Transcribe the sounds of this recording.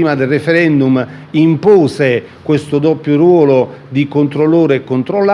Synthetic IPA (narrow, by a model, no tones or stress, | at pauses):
iːmad̪ɪlrːefɛɾɛnd̪umimpoːse | kwest̪ʊd̪ɔpːjʊɾwɔːlʊ | d̪ikont̪ɾolːoːɾekːont̪ɾolːa